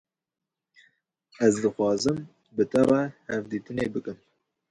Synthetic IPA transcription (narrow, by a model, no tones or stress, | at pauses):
ɛzd̪ɨxwɑːzɨm | bɨt̪ʰɛrɛhɛvd̪iːt̪ɨneːbɨkɨm